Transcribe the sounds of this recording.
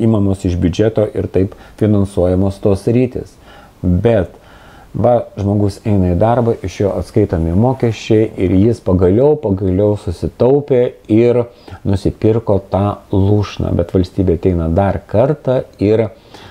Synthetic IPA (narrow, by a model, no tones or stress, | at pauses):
iːmɐmoːsɪʒbʲʊd͡ʒʲɛt̪oːʔɪɾt̪ɐɪpfʲɪnɐnsuɔjɛmoːst̪oːsɾʲiːt̪ʲɪ̰ːs | bʲɛt̪ | ʋɐʒmoːɡʊsɛɪnɐid̪ɐrbɐʔɪʃjoːɐt̪skɐɪt̪oːmʲɪmoːkʲɛʃʲt͡ʃʲɛɪʔɪɾjɪspɐɡɐlʲɛʊpɐɡɐlʲɛʊsʊsʲɪt̪ɐʊpʲeːɪɾnʊsʲɪpʲɪrkoːt̪ɑːlˠuːʃnɑ̰ːbʲɛt̪ʋɐlʲsʲt̪ʲiːbʲeːɐt̪ʲɛɪnɐd̪ɐrkɐrt̪ɑːɪɾ